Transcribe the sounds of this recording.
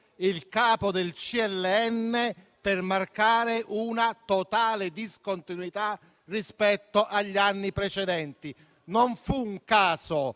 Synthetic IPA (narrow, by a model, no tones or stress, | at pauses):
ilkaːpod̪elt͡ʃiɛlːɛɛnːe | permarkaːɾɪʔunat̪ot̪aːlɪd̪iskont̪inuit̪a | rispɛt̪ːoʔaʎːanːipɾɛt͡ʃɛd̪ɛnt̪i | noɱfuːŋkaːso